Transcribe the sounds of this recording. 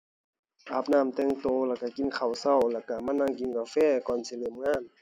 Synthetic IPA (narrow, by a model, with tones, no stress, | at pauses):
ʔaː˧˩p̚naː˧˩˨mt̪ɛː˧˨ŋt̪oː˧˩lɛː˧˩ka˧˩ki˧˨nkʰa˨˩wsa˧˩˨wlɛː˧˩ka˧˩maː˧˥˨naː˧˨ŋki˧˨nkaː˧fɛː˧˩˨kɔː˨nsi˧˨le˧˨mŋaː˧˥˨n